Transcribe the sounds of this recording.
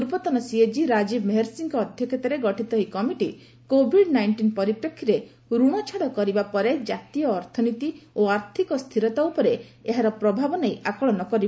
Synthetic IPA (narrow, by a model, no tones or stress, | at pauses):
uɾpɔt̪ɔnɔsied͡ʒiɾad͡ʒibmeɦeɾsiŋkɔːd̪ʱjɔkʰet̪ɔɾeɡɔʈʰit̪ɔɦikɔmiʈi | kobʱiɖnajɳʈinpɔɾipɾɔkʰːiɾe | ɾuɽ̃ɔt͡ʃʰaɽɔkɔɾibapɔɾed͡ʒat̪ijɔːɾt̪ʰɔnit̪ioaɾt̪ʰikɔst̪ʰiɾɔt̪aupɔɾeeɦaɾɔpɾɔbʱabɔnejʔakɔɭɔnɔkɔɾib